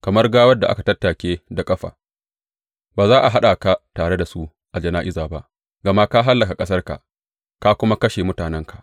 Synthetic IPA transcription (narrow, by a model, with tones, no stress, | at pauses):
kɐ˨mɐ˦rɡaː˦wɐ˦dːa˨ʔa˦ka˨tɐ˦tːaː˨kʲeː˦da˨kʼɐ˦ɸa̰ː˨ | baː˨zaː˦ʔa˨ɦa˦ɗa˨ka˨taː˨ɽe˦da˨su˦ | ʔa˨d͡ʒɐ˨naː˦ʔɪ˦zaː˨ba˦ʔ | ɡɐ˨ma˦ka˦ɦa˦lːɐ˨ka˨kʼɐ˦s̬ɐ˦rka̰˨ʔ | ka˦kʷʊ˦ma˦kɐ˦ʃe˨mʊ˦taː˨nɛ˦ŋkʰḁ˨ʔ